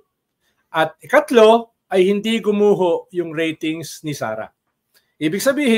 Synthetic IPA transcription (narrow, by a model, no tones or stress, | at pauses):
ʔɐt̪̚ɪkɐt̪lo̞ | ʔɐjhɪnd̪iɡʊmuːɦoʔjʊŋɾɛjt̪ɪŋsnɪsa̰ːɾɐ̰ | ʔiːbɪɡsɐbiːhɪ